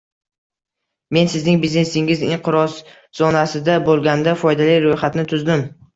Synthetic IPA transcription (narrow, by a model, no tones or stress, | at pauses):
me̞nsɪznɪŋbizne̞sɪŋɪzɪɴqɨɾɒs | z̥ɒnasɪd̪abolˠɡʲand̪afɒjd̪alijɾojχat̪nɪt̪ʰʊzd̪ɪm